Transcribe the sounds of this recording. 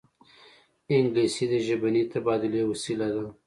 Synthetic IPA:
ɪŋɡlesid̪əʒabanit̪abɑd̪ʊlewasilad̪a

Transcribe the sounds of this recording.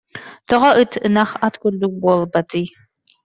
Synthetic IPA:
t̪ɔʁɔʔɯt̪ʰɯnaχat̪kuld̪uk̚buɔlˠbat̪ɯj

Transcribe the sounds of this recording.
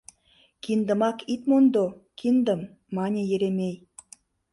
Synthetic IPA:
kind̪ə̆mɑkit̪mond̪okʰind̪ə̆mː | ɑnʲejeɾemʲej

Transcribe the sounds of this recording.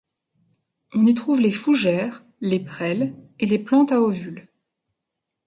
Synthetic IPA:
ɔ̃nit̪χuvlefuʒɛːʁ | lepχɛleleplɑ̃t̪aovyl

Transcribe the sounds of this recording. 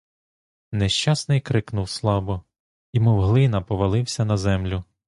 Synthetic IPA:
neʃt͡ʃɑsnɪjkɾɪknʊwslˠɑbɔ | imɔwɦlˠɪnɐpɔʋɐlˠɪwsʲɐnɐzɛmlʲʊ

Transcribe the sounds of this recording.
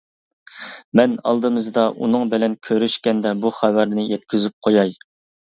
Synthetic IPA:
mɛnɑ̰lˠd̪ɨmɨzɨd̪ɑʔṵnɨŋbɪlɛnkʲʰøɾyʃkʲɛnd̪ɛbuχæwæɾnɪjɛt̪̚kʲyzyp̚qʰojɑj

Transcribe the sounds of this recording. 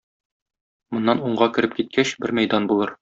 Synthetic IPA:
mŏnːɑnuɴɢɑkɘ̆ɾɘp̚kit̪̚kʰæɕbɘɾmæjd̪ɑnbulˠɤɾ

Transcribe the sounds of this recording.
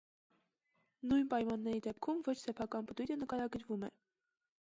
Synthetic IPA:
nujnpɑjmɑnːɛɾid̪ɛp̚kʰumvɔt͡ʃʰsɛpʰɑkɑnpət̪ujɾənəkɑɾɑɡəɾvumɛ̰

